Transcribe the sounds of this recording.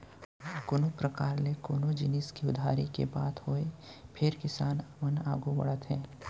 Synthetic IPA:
konopɾəkaːɾlekoːnod͡ʒɪnɪskiʊd̪ʱaːɾikḛbaːt̪ɦoːepʰɪɾkɪsaːnmənaːɡubɐ̰ɽət̪ɦɛ̃ː

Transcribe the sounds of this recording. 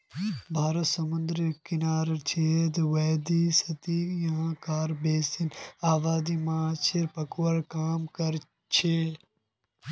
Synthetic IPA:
bʱaːɾət̪sɐmʊnd̪ɾkɪnaːɾt͡ʃʰeːd̪wɐːd̪isɐt̪ijɐɦãkaːɾbeːsinaːbaːd̪imɐat͡ʃʰeɾpɐkwɐɾkaːmkɐɾ | t͡ʃʰe

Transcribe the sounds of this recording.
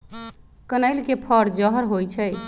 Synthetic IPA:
kənəjlkepʰəɾd͡ʒəɦəɾɦojt͡ʃʰɛj

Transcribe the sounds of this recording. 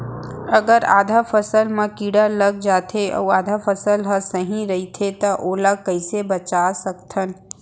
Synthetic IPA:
ɐɡəɾa̰ːd̪ʱafʰəsəlmãkiːɽalɐɡ̚d͡ʒaːt̪ʰeʔɔ̰ːwaːd̪ʱafʰəsəlɦəsɐɦĩɾɐɦit̪ʰet̪ɐʔoːlakɐɪsebɐt͡ʃasəkt̪ʰən

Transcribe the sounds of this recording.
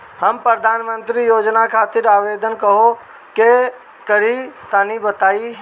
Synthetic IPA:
həmpɾəd̪ʱaːnmə̃nt̪ɾijoːd͡ʒnakʰaːt̪ɪɾaːʋeːd̪ənkəɦo | ke | kəɾit̪anibət̪aːi

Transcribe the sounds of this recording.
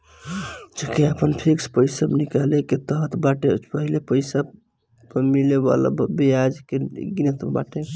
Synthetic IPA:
d͡ʒekeəpənpʰikspəjsəbnikaleket̪əɦt̪baʈepəɦilepəjsab | mileba̰la̰bbiad͡ʒkeɡinət̪ba̰ʈe

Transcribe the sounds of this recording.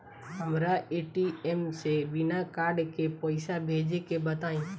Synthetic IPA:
ɦəmɾaʔeʈiemseʋɪnakaːɾɖkepəɪsabʱeːd͡ʒekebət̪aːĩ

